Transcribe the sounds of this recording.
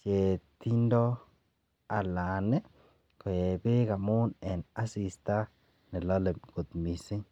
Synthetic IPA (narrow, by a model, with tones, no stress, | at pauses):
t͡ʃe˨t̪i˦ndo˦ | a˨la˨ne˦ | ko˨je˨be˦ɡa˨mu˦ne˨na˦si˨st̪a˦ | ne˨lo˦le˨mɡ̥u˨t̪mi˨si˦